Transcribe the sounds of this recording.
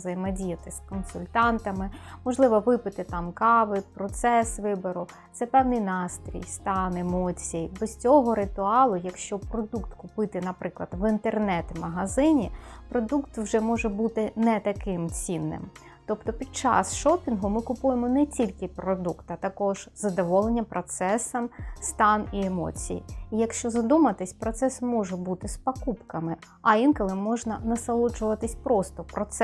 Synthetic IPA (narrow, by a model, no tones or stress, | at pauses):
zɐjmɐdʲijɐt̪ɪskɔnsʊlʲt̪ɑnt̪ɐmɪmɔʒlˠɪʋɔʋɪpɪt̪ɪt̪ɑmkɑʋɪpɾɔt̪sɛsʋɪbɔɾʊ | t̪sɛpɛwnɪjnɑst̪ɾʲḭjst̪ɑnemɔt͡sʲijjibɔsʲtʲɔɦɔɾɪt̪ʊɑlˠʊjɐkʃt͡ʃɔpɾɔd̪ukt̪kʊpɪt̪ɪnɐpɾɪklˠɐd̪ʋint̪ernɛt̪mɐɦɐzɪnʲipɾɔd̪ukt̪wʒɛmɔʒɛbut̪ɪnɛt̪ɐkɪmt͡sʲinːɪ̰m | t̪ɔpt̪ɔpʲid̪̚t͡ʃɑ̰sʃɔpʲinɦʊmɪkʊpujemɔnɛt͡sʲilʲkɪpɾɔd̪ukt̪ɐt̪ɐkɔʒ̥zɐd̪ɔʋɔlˠenʲːɐpɾɔt̪sɛsɐmst̪ɑniemɔ̰t͡sʲḭjḭijɐkʃt͡ʃɔzɐd̪umɐt̪ɪsʲpɾɔt̪sɛsmɔʒɛbut̪ɪspɐkupkɐmɪ | ɐinkɔlˠɪmɔʒnɐnɐsɐlˠɔd͡ʒʊʋɐt̪ɪsʲpɾɔst̪ɔpɾɔt̪sɛ